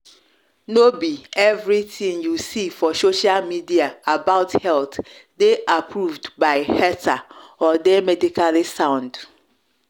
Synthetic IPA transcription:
nobiɛvɾitʰĩŋjusifɔsoʃalmidiaabaʊthɛltdeʔapʰɹuvdbaɪhɛtʰaɔdɛmɛdikʰalisãʊ̃nd̥

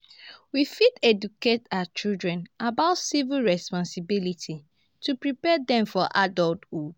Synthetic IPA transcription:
wifitɛduketat͡ʃildɹɛ̃nabaʊtsivilɹɛspɔ̃nsibilitʰi | tʰupɹipɛdɛ̃mfɔʔadɔltu

